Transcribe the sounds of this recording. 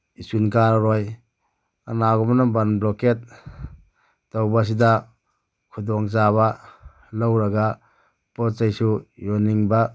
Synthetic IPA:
isunkaɾɾɔj | anaɡɔmnabanblɔket̚ | awbas̬ida | kʰudɔŋzaβa | lawɾaɡa | pɔt͡ʃajsujɔniŋba

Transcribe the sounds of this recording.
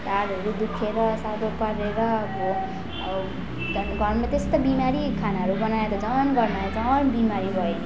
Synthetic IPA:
ʈaɾʌɾud̪ukʰeɾʌsad̪ʱopʌɾeɾʌbo | dʌnɡʌrmat̪est̪obimaɾikʰanaɦʌɾubʌnaeɾʌd͡zʌnɡʌrmaed͡zʌnbimaɾibʱʌen

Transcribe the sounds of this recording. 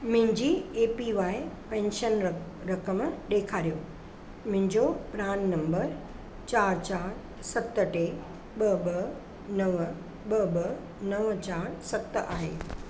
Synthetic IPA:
mʊ̃ɦɪ̃ɲd͡ʑiːeːpiʋaːɪpɛ̃ːnʃən | ɾɐkəmɗeːkʰaːɾijo | mʊ̃ɦɪ̃ɲd͡ʑopɾaːnnɐ̃mbəɾ | t͡ɕaːɾt͡ɕaːɾ | sɐt̪ə̆ʈeː | ɓɐɓɐ | nɐʋ | ɓɐɓɐ | nɐʋt͡ɕaːɾsɐt̪a̰ːɦḛː

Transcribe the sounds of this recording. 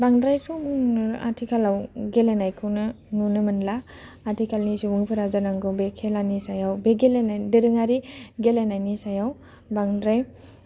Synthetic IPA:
baŋdɾajtʰumuŋa̰tʰikʰalawɡelenajkʰɯnɯ | nunɯmɯnlaː | tʰikʰalnisumuŋpʰɯɾazanaŋɡɯbekʰelanisajawbeɡelenajdɯɾɯŋaɾiɡelenajnisajaw | baŋdɾaj

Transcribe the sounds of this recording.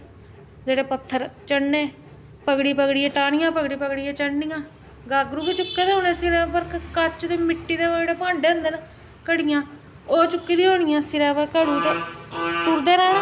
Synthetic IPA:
d͡ʒeːɽeːpət̪ʰːəɾt͡ʃəɽnẽː | pəɡɽiːpəɡɽiːeːʈaːɳɪjãːpəɡɽiːpəɡɽijẽːt͡ʃəɽnijãː | ɡaːɡɾuːket͡ʃʊkːeːd̪eːɦoːnẽːsɪɾɛ̃ːpəɾkkət͡ʃd̪eːmɪʈːiːd̪eːʋəɽeːpãːɳɖeːənd̪ən | kəɽɪjãː | oːt͡ʃʊkːiːd̪iːɦoːɳɪjãːsɪɾɛːpəɾkəɽuːt̪eːt̪uːɾd̪eːɾɛːnaː

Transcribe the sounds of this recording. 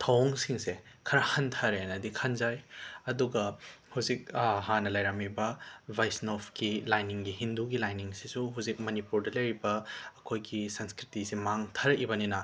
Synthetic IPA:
tʰɐwoŋsiŋsekʰɐɾɐhɐntʰɐɾenɐdikʰɐnzajɐduɡɐhuzik̚ɦanɐlɐjɾɐmibɐbʱajsnopʰkilajniŋɡiɦinduɡilajniŋsisuɦuzik̚mɐnipuɾdɐlɐjɾibɐːkʰojɡisɐnskɾitisimaŋtʰɐɾɐkibɐninɐ

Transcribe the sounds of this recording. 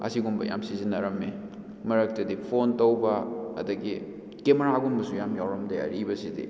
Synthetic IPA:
ɐ̰siɡumbɐ̰ja̰msizinːɐɾɐme | mɐɾɐk̚tɐdipʰontowbɐɐ̰dɐɡi | kemeɾaɡumbɐsujamjawɾɐmdeɐ̰ɾʔibɐsidḭ

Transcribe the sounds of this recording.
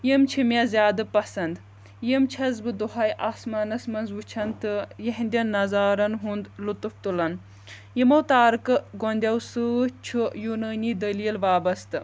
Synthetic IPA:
jimt͡ʃʰimʲjazʲjaːd̪ɨpɐsɐnd̪ | jimt͡ʃʰɐzbɨd̪uɦɐjʔaːsmaːnɐsmɐnzʋut͡ʃʰɐnt̪ɨjɐɦnd̪ʲɐnnːɐzaːɾɐnɦund̪lut̪uft̪ulɐn | jimɐwt̪aːɾɨkɨɡond̪ʲɐwsɨt͡ʃʰujuːnɐːniːd̪ɐliːlʋaːbɐst̪ɨ

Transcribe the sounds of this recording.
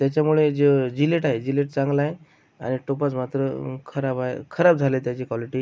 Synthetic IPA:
t̪jat͡ɕjamuɭed͡zed͡ʑileʈaɦed͡ʑileʈt͡sãŋɡlae | a̰ñiʈopat͡smat̪ɾəkʰəɾabaḛkʰəɾabd͡zʱalet̪jat͡ɕikʋaliʈiː

